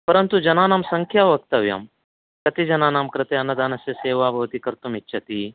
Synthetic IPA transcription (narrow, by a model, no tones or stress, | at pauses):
pɐɾənt̪ud͡ʒɐnaːnaːmsɐŋkʰjaʋɐk̚t̪ɐʋja̰m | kɐt̪id͡ʒɐnaːnaːmkɾɪt̪eɐnːɐd̪aːnɐsjɐseːʋaːbʱɐʋt̪ikɐɾt̪umitːʃʰɐt̪i